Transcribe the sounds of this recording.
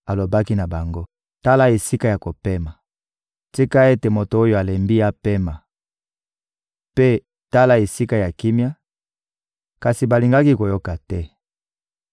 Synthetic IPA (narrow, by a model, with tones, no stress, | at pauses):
a˨lo˨ba˦ki˦na˨ba˨ŋɡo˦ | ta˦la˦e˨si˦ka˦ja˨ko˨pe˦ma˨ | ti˦ka˦e˦te˨mo˨to˨o˦jo˨a˨le˨mbi˦a˦pe˦ma˨ | pe˦ | ta˦la˦e˨si˦ka˦ja˨ki˦mja˦ | ka˨si˨ba˨li˨ŋɡa˦ki˦ko˨jo˦ka˨tɛ˦